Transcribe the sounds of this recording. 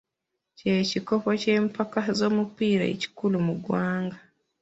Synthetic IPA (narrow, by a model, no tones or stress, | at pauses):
ceciko̞poce̞ːmpakazo̞ːmupiɾa̰ḛci̥kulumuɡwaːŋɡa